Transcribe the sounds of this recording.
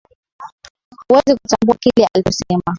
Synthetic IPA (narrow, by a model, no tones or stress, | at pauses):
wɛzikutambuakilɛa̰lit͡ʃɔsɛma